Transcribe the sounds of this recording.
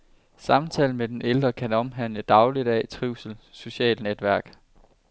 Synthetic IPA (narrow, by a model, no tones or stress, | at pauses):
sɑ̈mt͡sʰɛːln̩med̥eneld̥ʁɐkʰænɒ̽mɦæn̰ləd̥ɑ̈ʊlid̥æt͡sʰʁiʊsl̩so̝ɕɛ̰ːlned̥ʋæɐɡ̥